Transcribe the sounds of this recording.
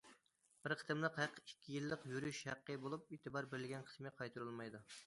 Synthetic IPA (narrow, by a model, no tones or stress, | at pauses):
b̥ɪɾqʰə̥t̪ɨmlˠəqhæqʰikʲʰːijilˠːəqjyɾyʃhæqːəbolˠup̚eːt̪ʰɨbɑɾbɪɾɪlɪɡʲɛnqʰə̥smɪqʰɑjt̪ʰuɾulˠmɑjd̪u